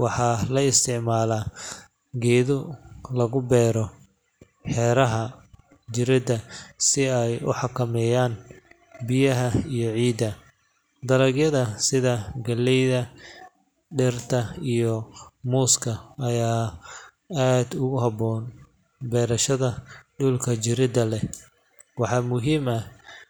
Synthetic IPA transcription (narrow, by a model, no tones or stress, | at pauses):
wɑħɑlɐɪst̪ʰɪʕmaːlaː | ɡɛːðʊlɐɣʊbɛːɾɔ | ħɛːɾɐɦɐ | d͡ʒɪɾɪd̪ɐsɪɛjʊ̰ħɑkʰɐmɛːjaːn | bɪjɐɦɐijɔʕiːd̪ɐ | d̪ɐlɐɡjɐðɐsɪðɐɡɐlːɛjðɐ | ɖɛrt̪ʰɐijɔmuːskʰɐːjaː | aːd̪ʊɣʊɦɑbɔːn | bɛːɾɐʃɐðɐɖʊlkʰɐt͡ʃɪɾɪd̪ɐlɛ | wɑħɑːmʊɦiːmɐh